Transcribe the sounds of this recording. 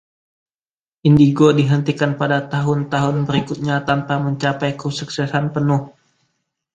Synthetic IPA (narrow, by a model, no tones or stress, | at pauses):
ʔindiɡodiɦənt̪ikanpadat̪aɦʊnt̪aɦʊnbəɾikʊt̪̚ɲat̪anpaməɲt͡ʃapajkusuksɛsanpənʊh